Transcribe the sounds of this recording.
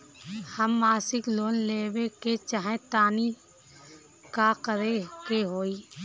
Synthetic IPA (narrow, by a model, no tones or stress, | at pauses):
həmːaːsɪkloːnleːweket͡ʃaːɦẽt̪aːni | kakəɾekeɦoːiː